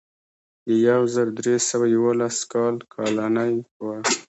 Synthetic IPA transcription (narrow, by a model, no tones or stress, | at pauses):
d̪əjawzəɾd̪ɾesəwajawolaskɑlkʰɑlanajwa